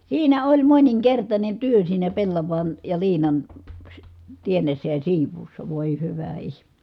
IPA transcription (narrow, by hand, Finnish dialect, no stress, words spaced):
siːnæ olʲ moniŋkertɑnʲen tyø siːnæ pelːɑʋɑn jɑ liːnɑn sy tienːesːæ jɑ siːʋˑuːsːɑ ʋoˑi hyʋæ ihme̥